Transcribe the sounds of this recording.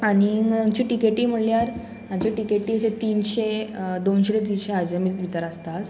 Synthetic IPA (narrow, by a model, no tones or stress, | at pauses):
aɽ̃iaɲt͡ɕiʈikeʈiːm̤əɽljaɾ | ãɲt͡ɕeʈikeʈːiːset̪iːnɕed̪onɕetet̪inɕead͡ʑəmiʋit̪əɾast̪at̪